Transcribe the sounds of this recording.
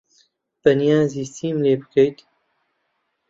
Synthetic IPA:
b̥ɐnijaːziːst̪ʰiːmleːbɨ̥kɐjt̪

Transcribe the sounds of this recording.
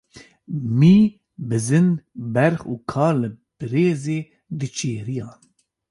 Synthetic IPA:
miː | bɨzɨnbɛɾχuːkʰɑːlɨb̥ɨɾeːzeː | d̪ɨt͡ʃʰeːɾijɑːn

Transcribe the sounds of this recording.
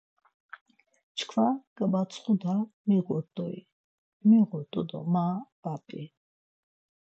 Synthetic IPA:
t͡ʃʰkʰvaɡ̥ʼəbasʰʼχud̪amiʁɔɾt̪ʼɔḭ | miʁɔɾt̪ʼɔd̪ɔ̰maːb̥apʼi

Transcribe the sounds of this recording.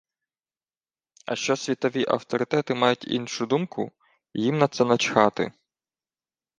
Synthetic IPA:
ɐ̰ʃt͡ʃɔsʲʋʲit̪ɔʋʲiʔɐ̰wt̪ɔɾɪt̪ɛt̪ɪmɑjʊtʲḭnʃʊd̪umkʊ̰ | jimnɐt̪sɛnɐt͡ʃxɑt̪ɪ̰

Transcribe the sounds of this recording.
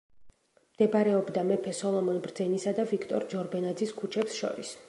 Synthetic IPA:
md̪̥ɛbɾɛɔbd̪amɛpʰɛsɔlˠɔmɔnbɾd̪zɛnisad̪avikʰt̪ʼɔɾd͡ʒɔɾbɛnad̪ziskʰut͡ʃʰɛpsʃɔ̰ɾis

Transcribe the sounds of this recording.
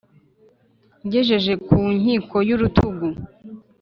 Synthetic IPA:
ɟeʒe̞ʒe̞kuɲ̥hiːkʰo̞juɾutʰuɡu

